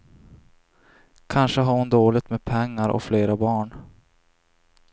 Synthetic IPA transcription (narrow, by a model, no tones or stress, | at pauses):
kʰanʂəɦaɾhʊnd̪oːlɪt̪meːd̪̚pʰɛŋːaɾʔɔ̰kfleːɾabɑːɳ